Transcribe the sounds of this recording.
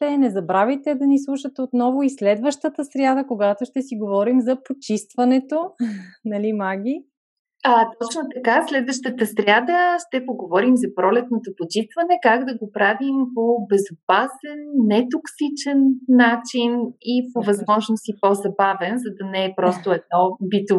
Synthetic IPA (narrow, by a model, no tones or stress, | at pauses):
t̪ɛnɛzɐbɾavit̪ɛd̪ɐnislˠuʃət̪ɛot̪nɔvʊislɛd̪vəʃt̪ət̪əsɾjad̪əkoɡat̪oʃt̪ɛsiɡovɔɾimzɐpot͡ʃist̪vɐnɛt̪onɐlimaɡʲi | at̪ɔt͡ʃnot̪ɐkaslɛd̪vəʃt̪ət̪əsɾʲad̪əʃt̪ɛpoɡovɔɾimzɐpɾɔlɛt̪̚not̪opot͡ʃist̪vɐnɛkaɡd̪ɐɡopɾavimpobɛzopasɛnːɛt̪oksit͡ʃɛnːat͡ʃinipovɐzmɔʒnosipozɐbavɛnzɐd̪ɐnɛːpɾɔst̪oɛd̪̚nɔbit̪o